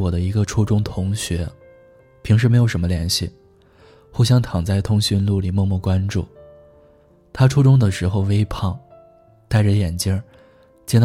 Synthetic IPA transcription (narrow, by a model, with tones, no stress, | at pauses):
wɔ˨˩d̪ə˦i˧˥ɡə˧ʈ͡ʂʰu˥ʈ͡ʂʊ˥ŋt̪ʰʊ˧˥ŋɕɥɛ˧˥ | pʰi˧˥ŋʂɻ̩˥˩m˧˥ɪjʊʂmə˧ljɛ˧˥nɕḭ˥˩ | xu˥˧ɕ̬jɑ˥ŋt̪ʰɑ˨˩ŋt͡sa˥˩ɪt̪ʰʊ˥ŋɕy˥nlu˥˩li˨˩mɔ˥˧mu˥˩kwa˥nʈ͡ʂṵ˥˩ | t̪ʰa˥ʈ͡ʂʰu˥ʈ͡ʂʊ˥ŋd̪ə˨ʂɻ̩˧˥xo˧ʊwe˥ɪpʰɑ˥˩ŋ | t̪a˥˩ɪə˩jɛ˨˩nt͡ɕji˥ | t͡ɕjɛ˥nt̪